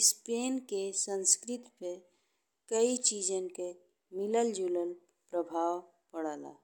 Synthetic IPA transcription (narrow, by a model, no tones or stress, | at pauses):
speːnkesə̃nskɾɪt̪pe | kəit͡ʃiːd͡ʒə̃ke | mɪləld͡ʒuːləl | pɾəbʱaːw | pəɽaːla̰ː